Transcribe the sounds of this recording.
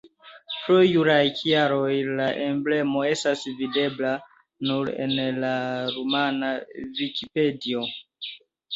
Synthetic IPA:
pɾojuɾajkijaɾo̞jlaʔe̞mble̞mo̞e̞stasvide̞bla | nuɾe̞̰nlaɾumanavikipe̞dio̞

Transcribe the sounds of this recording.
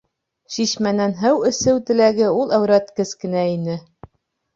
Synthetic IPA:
ɕiɕmænænɦɘwɵ̆sɘwt̪ɘ̆læɡɘulˠæwɾæt̪kɘzkɘ̆næinɘ

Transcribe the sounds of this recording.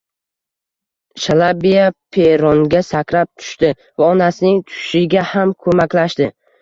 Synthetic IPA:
ʃalˠabijapʰeɾɒŋɡʲasakʲɾap̚t̪ʰʊ̥ʃt̪ɪ | vaɒnasɪnɪŋt̪ʰʊ̥ʃɪɡʲahamkʰɵmakʲlaʃt̪ɪ

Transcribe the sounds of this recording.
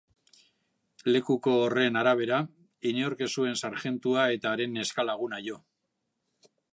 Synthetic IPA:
le̞kuko̞ːre̞naɾaβ̞e̞ɾa | ineoɾke̞sue̞nsaɾʝe̞nt̪uae̞t̪aːɾe̞ne̞skalaɣ̞unaʝo̞

